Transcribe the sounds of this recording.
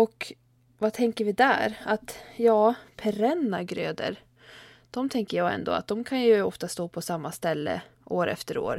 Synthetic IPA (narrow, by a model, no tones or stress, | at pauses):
ɔk | vat̪ʰɛŋkəɾvɪd̪æ̰ːɾat̪jɑːpʰɛɾɛnːaɡɾøːd̪ə̰ɾ | d̪̥ɔmt̪ʰɛŋkəjɑːɡɛ̰nd̪o̰ːa̰t̪̚d̪ɔmkʰanjɵɔft̪ast̪oːpʰɔsamːast̪ɛlːə̰ʔoːɾʔɛ̰ft̪əɾo̰ːɾ